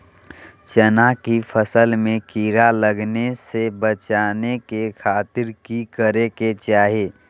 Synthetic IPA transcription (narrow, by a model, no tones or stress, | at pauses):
t͡ʃənakipʰəsəlmẽkiɾaləɡnesebət͡ʃaːnekekʰaːt̪ɪɾkikəɾeket͡ʃaːɦeː